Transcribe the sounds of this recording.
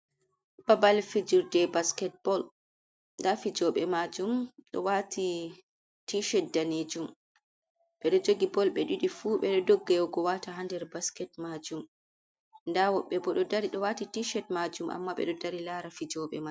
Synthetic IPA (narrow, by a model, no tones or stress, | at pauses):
babalfid͡ʒiɾdɛbaskɛt̚b̥ɔl | ndafid͡ʒɔɓɛmad͡ʒumɗɔ̰watʰi | tiʃɛt̚daned͡ʒum | ɓɛɗɔd͡ʒoɡibɔlɓɛɗiɗifuɓɛɗɔdoɡːɛɡɔwataɦandɛɾbaskɛtmad͡ʒum | ndawɔɓːɛbɔɗɔdaɾiɗɔwatitiʃɛt̚mad͡ʒumʔa̰mːaɓɛ̰ɗɔdaɾilaɾafid͡ʒɔɓɛ̰ma